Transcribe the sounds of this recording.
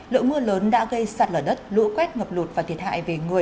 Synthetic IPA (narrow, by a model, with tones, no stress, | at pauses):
lɨ̰˧˨mɨ˧ələː˨˦nɗa̰ː˧˥ɣə˧jsaː˨˩t̚ləː˨˩ɗə˦˥t̚lṵ˧˥kwɛ˦˥t̚ŋə˨˩p̚lu˨˩t̚vaː˨˩t̪ʰi˨˩ət̚ha̰ː˧˨jve˨˩ŋɨ˨˩ə